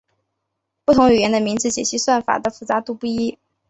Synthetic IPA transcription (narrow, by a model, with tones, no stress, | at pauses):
pu˥˩t̪ʰʊ˧˥ŋy˨˩jɛ˧˥nd̪ə˧mi˧˥ŋt͡sɹ̩˧t͡ɕjɛ˨˩ɕi˧˥swa˥˩nfa̰˨˩d̪ə˦fu˥˩t͡sa˧˥t̪u˥˧pu˥˩i˥